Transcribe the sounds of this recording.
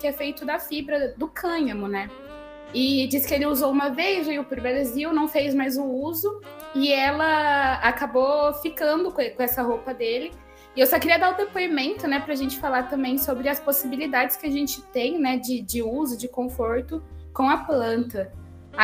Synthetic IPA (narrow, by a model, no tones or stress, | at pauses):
kɪɛfejt̪ʊd̪ɐfibɾɐd̪ʊkʰɐ̃ɲɐmʊnɛ | ɪd͡ʒisɪ̥kɪelɪuzowumɐvejzʒaiwpʊɾbeleziwnɐ̃w̃fejzmajzʊuzʊ | ɪɛlɐakabofikɐ̃nd̪ʊkkõɛsɐɦopɐd̪elɪ | ewsɔkɪɾiɐd̪aʊd̪epoimẽnt̪ʊnɛpɾɐʒẽnt͡ʃɪ̥falaɾt̪ɐ̃mbẽj̃sobɾɪɐsposibilid̪ad͡ʒɪ̥skɪaʒẽnt͡ʃɪ̥t̪ẽj̃nɛd͡ʒɪd͡ʒɪuzʊd͡ʒɪkõfoɾt̪ʊkõɐplɐ̃nt̪ɐ